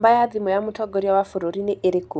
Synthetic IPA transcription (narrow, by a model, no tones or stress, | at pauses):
bajaðimɔjamutʰɔɡɔɾjawafuɾuɾiniʔeɾiku